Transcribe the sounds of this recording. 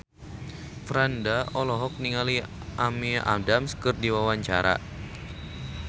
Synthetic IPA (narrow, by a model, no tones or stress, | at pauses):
fɾandaɔlɔɦɔk̚niŋali | ʔamiʔa̰damskɨrdiwawaɲt͡ʃa̰ɾa̰